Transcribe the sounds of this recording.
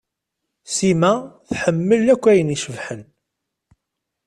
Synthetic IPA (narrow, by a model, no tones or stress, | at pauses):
simæθħəmːəlːækʷːæjəniʃəvħən